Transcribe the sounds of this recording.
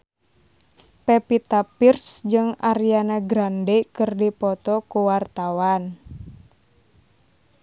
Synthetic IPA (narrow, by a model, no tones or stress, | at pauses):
pɛpit̪apirsd͡ʒɨŋaɾianaɡɾandɛkɨrdipɔt̪ɔkuwart̪awan